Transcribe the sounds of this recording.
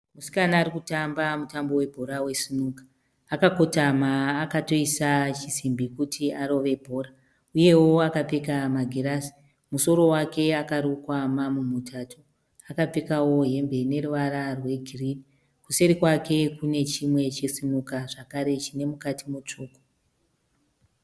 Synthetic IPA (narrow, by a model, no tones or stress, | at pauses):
musi̥kanaːɾikutambamutambo̞we̞bʱo̞ɾawe̞sinukḁː | kako̞tamaːkato̞isat͡ʃisimbikutʰiaɾo̞ʋe̞bʱo̞ːɾa | uje̞wo̞akap͡fekamaɡʱeɾasi̥ | muso̞ɾo̞wake̞akaɾukwamamumutʰaːtʰo | akap͡fekawo̞ɦe̞mbe̞ne̞ruʋaɾarwe̞ɡʱiridi | kuseɾikwakʰe̞kune̞t͡ʃimwe̞t͡ʃesinukaʐakaɾe̞t͡ʃine̞mukatimut͡ʂuːko̥